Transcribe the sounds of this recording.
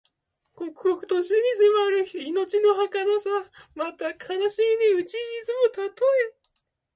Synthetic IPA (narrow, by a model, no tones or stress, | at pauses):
kokɯ̥okɯ̟t̪oɕiɲ̟isemaɾɯino̞t͡ɕino̞ɦakanasamat̪akʰanaɕimʲineɯ̟t͡ɕiʑit͡sɨmot̪at̪oe